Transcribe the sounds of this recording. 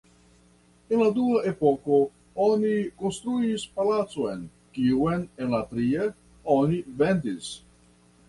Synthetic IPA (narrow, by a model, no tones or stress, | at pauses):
enlad̪uaʔepoko | ɔnikonst̪ɾuispalat̪soen | kiwenenlat̪ɾie | ɔnivend̪is